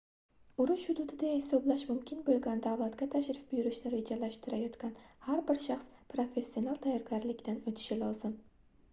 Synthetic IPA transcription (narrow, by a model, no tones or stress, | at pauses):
ʊɾʊʃhʊd̪ud̪ɪd̪ahɪsɒblaʃmʊmkʲʰɪnbolˠɡʲand̪awlˠat̪ɡʲat̪ʰaʃɾɪfbʊjʊɾɪʃnɪɾe̞d͡ʒalaʃt̪ɪɾajɒt̪kʲanhaɾbɪɾʃaχspɾo̞fe̞sːio̞nalˠt̪ʰajːɒɾɡʲaɾlɪkʲd̪anot̪ʰɪ̥ʃɪlˠɒzɪm